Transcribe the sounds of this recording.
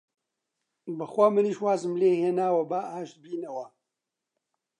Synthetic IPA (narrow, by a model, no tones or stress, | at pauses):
bɨxʷamɨniːʃwaːzɨmleːheːnaːwɐbaːʔaːʃt̪̚biːnɐwɐ